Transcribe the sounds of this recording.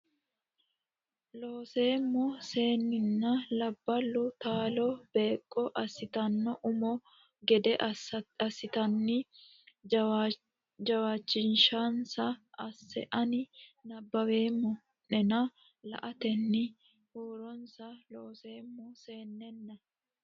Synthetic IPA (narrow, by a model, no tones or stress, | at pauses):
lo̞ːseːmːɔse̞ːnːɪnːɐlɐbːɐlːʊt̪aːlɔb̥e̞ːkʼːɔʔɐsɪt̪ɐnːɔʔʊmɔ | ɡɛd̪ɛʔɐsɪt̪ɐnːɪ | d͡ʒɐwaːt͡ʃːɪnʃansɐɐsːɛ̰ʔɐnɪnɐbːɐwe̞ːmːɔ | nɛnɐ | lɐ̰ʔɐt̪ɛnːɪ | hoːɾɔnsɐloːseːmːɔseːnːɛnːɐ